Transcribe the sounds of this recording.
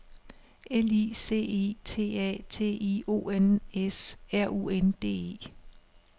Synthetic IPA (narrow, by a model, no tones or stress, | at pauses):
eliːse̝̰ːḛːt͡sʰe̝̰ːɛ̰ːt͡sʰe̝̰ːio̝̰ːenesæɐ̰ṵːend̥e̝̰ːe̝̰ː